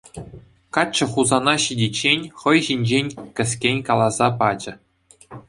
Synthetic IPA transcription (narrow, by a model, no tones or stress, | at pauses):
kɑt͡ɕːɤ̆χuzɑnɑɕidʲit͡ɕːenʲχɤ̆jʑinʲd͡ʑenʲkʲɘ̆s̬ʲkʲenʲkɑlˠɑzɑpɑd͡ʑɘ̆